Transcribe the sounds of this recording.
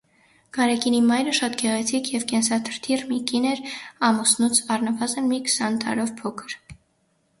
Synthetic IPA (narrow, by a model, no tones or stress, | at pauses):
ɡ̥ɑɾɑkinimɑjɾəʃɑt̪ɡɛʁɛt͡sʰikʰjɛvkɛnsɑt̪ʰəɾt̪ʰirmikinɛɾɑmusnut͡sʰɑrnəvɑzənmikʰə̥sɑnt̪ɑ̰ɾɔvpʰɔkʰə̥ɾ